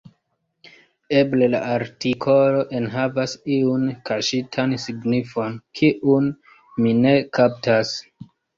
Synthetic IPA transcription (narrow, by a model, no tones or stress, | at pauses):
eblela̰ʔaɾtikʰo̞lo̞ʔe̞nɦavasiunkaʃitʰansiɡnifo̞nkʰiʔun | mine̞kaptas